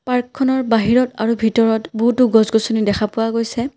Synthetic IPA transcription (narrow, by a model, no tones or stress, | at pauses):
paɹkʰːɔnɔɹbaɦiɹɔta̰ɹubʱitɔɹɔtboɦutʊɡɔzɡɔsonidɛxʰapʊwaɡojsɛ